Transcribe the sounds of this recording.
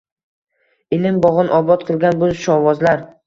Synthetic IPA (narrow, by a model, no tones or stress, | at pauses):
ɪlɪmbɒʁɨnʔɒbɒt̪qʰɨlˠɡʲanbʊzʃɒwɒzlaɾ